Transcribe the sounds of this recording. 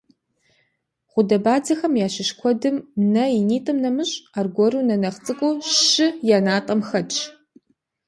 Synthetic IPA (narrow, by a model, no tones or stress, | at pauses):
ʁʷʊdɐbaːd͡zɐxɐmjaːɕɪʃkʷʰɔdɨmnɐiniːtʼɐmnɐmɨɕʼaːrɡʷɔrɨnɐnɐχt͡sʼɨkʷʼʊɕɪjaːnaːtʼɐmxɐt͡ʃʰʼ